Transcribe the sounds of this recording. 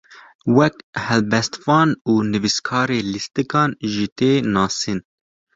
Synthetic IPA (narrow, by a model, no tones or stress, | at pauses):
wɛkhɛlbɛst̪fɑːnuːnɨviskʰɑːɾeːlist̪ɨkɑːnʒɨt̪eːnɑːsin